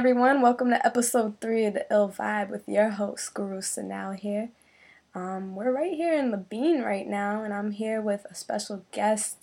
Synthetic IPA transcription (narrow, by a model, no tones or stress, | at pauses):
ɛvɹiwʌ̃nwɛlˠkə̃mtʰɨʔɛpəsoʊd̪̚θɹiʌðiʔɪlˠva̰ɪbwɨðjɛɹɦoʊsɡ̥əɹʉsɨ̰na̰ʊɦiɹ | ʌ̃mwɪɹɹaɪt̚hiɹɨ̃nləbĩnɹa̰ɪtⁿnaʊə̃nãɪ̃mɦiɹwɪðəspɛ̰ʃl̩ˠɡ̥ɛst